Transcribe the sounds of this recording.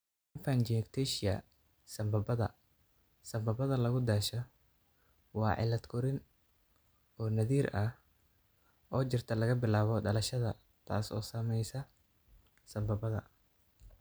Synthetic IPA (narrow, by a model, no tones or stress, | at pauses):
ɪnfɐnd͡ʒɪkt̪ʰɛʃɪɐ̰ | sɐmbɐbɐðɐ̰ | sɐmbɐbɐðɐlɐɣʊd̪aːʃɐ | wɑːʕɪ̰lɐd̪kʰʊɾɪn | ɔːnɐðiːɾʔɐh | ʔɔːt͡ʃɪrt̪ʰɐlɐɣɐbɪlaːβɔɖɐlɐʃɐðɐ̰ | t̪ʰa̰ːsɔ̰ːsɐmɛjsɐ | sɐmbɐbɐðɐ̰